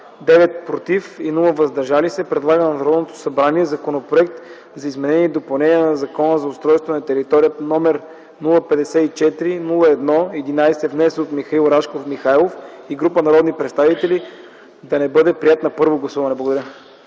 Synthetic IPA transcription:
d̪ɛvɛt̪̚pɾot̪ifinulˠəvɐzd̪ɐɾʒalisɛpɾɛd̪lˠaɡənɐnɐɾɔd̪not̪o̥sɐbɾaniɛzɐkonopɾoɛk̚t̪ | zɐizmɛnɛniɛd̪opɐlˠnɛniɛnɐzɐkɔnəzɐʊst̪ɾɔjst̪vonɐt̪ɛɾit̪ɔɾijənɔmɛɾ | nulˠəpɛd̪ɛsɛit͡ʃɛt̪ɾinulˠəɛd̪nɔɛd̪inajsɛvnɛsɛot̪mixɐilˠɾaʃkofmixajlˠofiɡɾupənɐɾɔd̪nipɾɛt̪st̪avit̪ɛli | d̪ɐnɛbɤd̪ɛpɾijat̪nɐpɤɾvoɡlˠɐsuvɐnɛblˠɐɡod̪ɐɾə

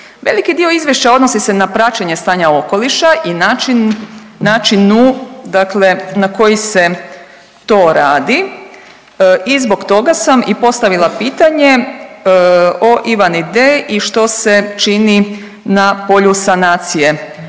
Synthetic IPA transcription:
ʋe̞̰likid̪io̞izʋjeʃt͡ɕao̞d̪no̞sise̞napɾat͡ɕeɲe̞st̪aːɲao̞ko̞liʃaʔinat͡ʃinː | aːt͡ʃinud̪akle̞nako̞jise̞ | t̪o̞ːɾaːd̪i | izbo̞ɡt̪o̞ɡasamipo̞st̪aʋilˠapiːt̪aɲe̞ | oʔiʋanid̪eʔiʃt̪o̞se̞t͡ʃini | napo̞ʎusanaːt̪sije̞

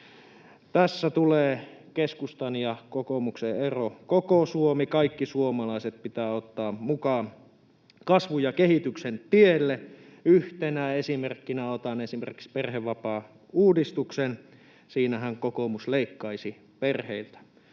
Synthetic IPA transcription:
t̪æsːæt̪uleːkeskust̪ɑnjɑkokomukseerokokosuomikɑikːisuomɑlɑiset̪̚pit̪æːot̪ːɑːmukɑːn | kɑsʋujɑkehit̪yksent̪ielːe | yht̪enæesimerkːinæot̪ɑnesimḛrkiksperheʋːɑpɑː | uːdist̪uksen | siːnæhæŋkokomusleikːɑisi | perheilt̪æ̥

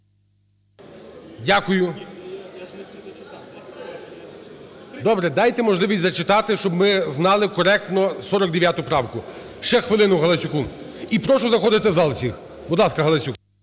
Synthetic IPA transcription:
dʲakʊjʊ | d̪ɔbɾɛd̪ɑjt̪ɛmɔʒlˠɪʋʲisʲtʲzɐt͡ʃɪt̪ɑt̪ɪʃt͡ʃɔbmɪznɑlˠɪkɔɾɛk̚t̪nɔsɔɾɔkd̪eʋjat̪ʊpɾɑwkʊ | ʃt͡ʃɛxʋɪlˠɪnʊɦɐlˠɐsʲukun | ipɾɔʃʊzɐxɔd̪ɪt̪ɪzɑlˠsʲix | bʊd̪lˠɑskɐɦɐlˠɐsʲuk

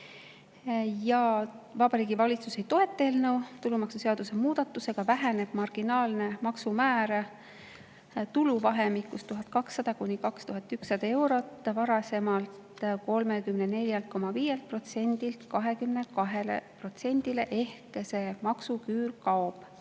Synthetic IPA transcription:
jɑvɑb̥ɑɾiːɡ̥ivɑlit̪suse̞jt̪o̞ɦe̞t̪ːˑeːlnɤwt̪ulumɑksuseɑd̪use̞muːd̪̥ɑt̪ːˑuse̞ɡ̥ɑvæɦæne̞b̥mɑrɡ̥inɑːlne̞mɑksumæːɾ | t̪uluvɑɦe̞mikːˑust̪uɦɑt̪̚kɑksːɑd̪̥ɑkunʲːikɑkst̪uɦɑt̪ːˑyksːɑd̪̥ɑe̞wɾo̞t̪ːˑvɑɾɑse̞mɑlt̪ko̞lme̞kymnene̞lʲjɑlt̪̚ko̞mɑviːje̞lt̪̚pro̞t̪se̞nʲd̪̥ilt̪kɑɦe̞kymne̞kɑɦe̞lḛpro̞t̪se̞nʲd̪̥ile̞ʔe̞hkse̞mɑksukyːlkɑob̥

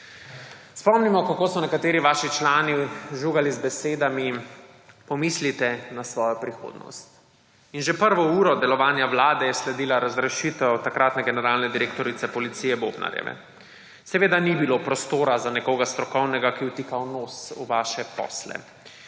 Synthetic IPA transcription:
spɔmnimɔkakoːsɔnɛkat̪eːɾiʋaːʃit͡ʃlaːniʒuɡalizbɛseːd̪ami | pɔmiːslit̪ɛnasʋɔːjɔpɾixo̰ːd̪nɔ̰st̪ | inʒɛpəɾʋɔuːɾɔd̪ɛlɔʋaːnjawlaːd̪ɛjɛslɛd̪iːlaɾazɾɛʃit̪ɛwt̪akɾaːt̪nɛɡɛnɛɾaːlnɛd̪iɾeːkt̪ɔɾit̪sɛpɔlit̪siːjɛbobna̰ɾjɛ̰ʋɛ̰ | sɛʋeːd̪anibilopɾɔst̪oːɾazanɛkoːɡast̪ɾɔkɔwnɛɡakiwt̪ikawnosuʋaːʃɛpɔ̰ːslɛ̰

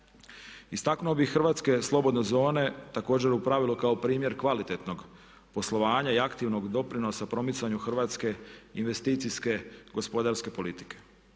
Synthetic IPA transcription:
ist̪aknuobixr̩ʋaːt̪ske̞slˠo̞bo̞d̪nezo̞ːne̞t̪ako̞ːd͡ʑeɾupɾaʋilokaopɾiːmje̞ɾkʋalit̪e̞t̪no̞ɡ | po̞slˠoʋaːɲaiakt̪iʋno̞ɡd̪o̞pɾino̞sapɾo̞mit̪saɲuxr̩ʋaːt̪ske̞inʋe̞st̪iːt̪siske̞ɡo̞spo̞d̪aɾske̞po̞lit̪i̥ke̞̥

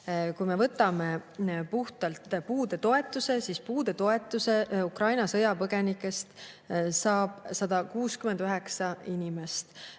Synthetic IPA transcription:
kujme̞vɤt̪ːˑɑme̞puht̪ɑlt̪puːd̪̥e̞t̪o̞e̞t̪ːˑuse̞sispuːd̪̥e̞t̪o̞e̞t̪ːˑuse̞ukrɑjnɑsɤjɑpɤɡ̥e̞nikːˑe̞st̪ | sɑːb̥sɑd̪ɑkuːskymend̪̥øɦe̞ksɑinʲime̞st̪

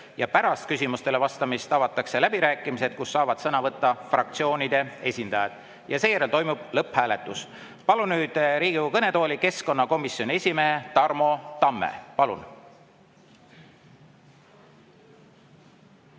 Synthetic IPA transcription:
jɑpæɾɑst̪̚kysimust̪e̞levɑst̪ɑmist̪ɑvɑt̪ːˑɑkse̞læb̥iɾæːkːˑimise̞d̪̥̚kusːɑːvɑd̪̥sɤnɑvɤt̪ˑːɑfrɑk̚t̪sio̞ːnid̪̥e̞e̞sʲind̪̥ɑjɑd̪̥ | jɑse̞ːjæɾe̞lt̪o̞jmub̥lɤphæːle̞t̪ːˑus | pɑlunnyːd̪̥ɾiːɡ̥ikɤne̞t̪o̞ːlʲike̞sko̞nːɑko̞misːjo̞nʲiesʲimeːt̪ɑrmo̞t̪ɑmːḛpɑlṵn

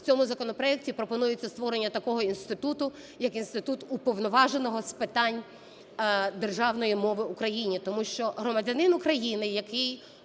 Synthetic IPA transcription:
t͡sʲɔmʊzɐkɔnɔpɾɔɛk̚tʲipɾɔpɔnujɪt͡sʲːɐst̪ʋɔɾe̞nʲːɐt̪ɐkɔɦɔinst̪ɪt̪ut̪ʊ | jɐkinst̪ɪt̪ut̪upɔʋnɔʋɑʒenɔɦɔspɪt̪ɑnʲ | d̪erʒɑwnɔjimɔʋɪukɾɐjinʲit̪ɔmuʃt͡ʃɔɦɾɔmɐdʲɐnɪnʊkɾɐjinɪjɐkɪj

